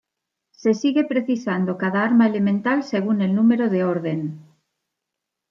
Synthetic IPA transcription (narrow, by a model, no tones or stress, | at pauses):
se̞siɣe̞pɾeθisand̪okað̞aaɾmaelemẽnt̪alseɣ̞unelnumeɾoðeoɾðen